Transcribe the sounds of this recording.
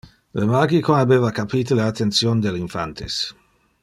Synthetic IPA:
lemaɡikonabeːvakapiːt̪ilaat̪ːensjond̪eliɱfa̰nt̪ʰḛs

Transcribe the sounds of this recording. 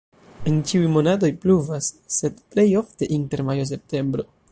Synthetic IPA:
ent͡ʃiujmo̞nat̬o̞jpluvasːe̞dple̞jo̞fte̞ʔinte̞ɾmajo̞s̬e̞p̚te̞mbɾo̞

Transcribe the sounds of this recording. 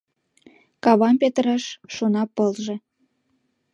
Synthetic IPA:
kɑβɑnpet̪əɾɑʃːonɑpɤlʒe

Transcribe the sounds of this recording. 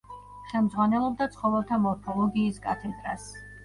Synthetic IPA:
χɛlˠmd̪zʁwanɛlˠɔb̚d̪at̪sʰχɔvɛlˠt̪ʰamɔɾpʰɔlˠɔɡiːskʼa̰t̪ʰɛd̪ɾas

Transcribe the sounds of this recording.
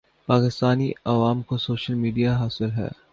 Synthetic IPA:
paːkɪst̪aːniɐʋaːmkosoːʃəlmiːɖijaɦaːsɪlɦɛ̰ː

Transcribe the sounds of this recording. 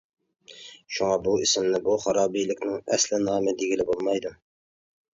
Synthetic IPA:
ʃuŋɑbuɪsɪmnɪbuχɑɾɑːbijlɪkʲnɪŋɛslɪnɑːmɪd̪iɡʲɪlɪbolˠmɑjd̪ɨ

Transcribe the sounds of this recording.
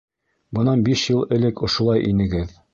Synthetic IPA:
bɤ̆nɑnbiʃjɤlˠɘ̆lɘkŏʃŏlˠɑjʔḭnɘ̆ɡɘð

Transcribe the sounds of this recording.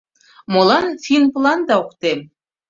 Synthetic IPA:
molˠɑnfinplˠɑnd̪ɑukt̪em

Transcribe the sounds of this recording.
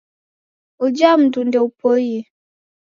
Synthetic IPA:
ud͡ʒam̩dundeupoje

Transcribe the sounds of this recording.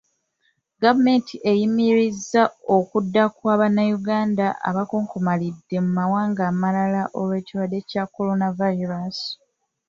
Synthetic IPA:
ɡavume̞ntʰiʔejimiɾizːaokudːakwaːβanajuɡaːndaʔa̰βakoːŋkomalidːe̞mumawaːŋɡaːmalalaʔowe̞ːciɾwadːe̞cakːo̞lo̞navaiɾasi̥

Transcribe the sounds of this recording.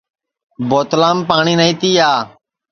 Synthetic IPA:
boːt̪lãːmpaːɳiːnəĩːt̪iːaː

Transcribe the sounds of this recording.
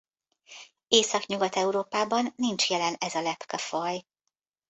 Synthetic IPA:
eːsɒkɲuɡɒt̪ɛuɾoːpaːbɒnːint͡ʃjɛlɛnɛzɒlɛpkɒfɒj

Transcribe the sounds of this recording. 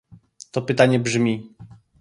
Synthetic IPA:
t̪ɔpɘt̪aɲɛbʐmʲi

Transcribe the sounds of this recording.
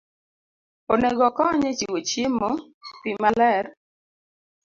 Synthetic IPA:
oneɡɔkɔɲet͡ʃiwot͡ʃjemɔ | pimalɛɾ

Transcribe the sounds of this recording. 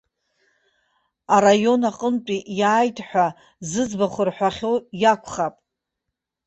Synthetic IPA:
aɾajo̞naqʼəmt͡pʼijaːjtʰʼħʷᶣa | zɨzbaχʷʊrħʷᶣaχʲo̞jakʷʰχapʼ

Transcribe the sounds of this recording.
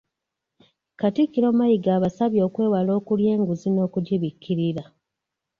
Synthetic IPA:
katikːiɾo̞ːmajiɡaːβasaβjo̞ːkwe̞ːwalo̞ːkulje̞ːŋɡuzino̞ːkuɟiβikːiɾiɾa

